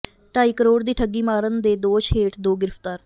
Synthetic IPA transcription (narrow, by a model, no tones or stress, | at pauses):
ʈaːiːkəɾoːɽd̪iːʈʰəɡiːmaːɾənd̪eːd̪oːʃɦeːʈd̪oːɡɪɾəft̪aːɾ